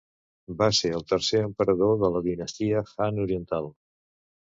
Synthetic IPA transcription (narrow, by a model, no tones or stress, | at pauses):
baseəlˠt̪əɾseəmpəɾəðoðələðinəst̪iəxanuɾiənt̪alˠ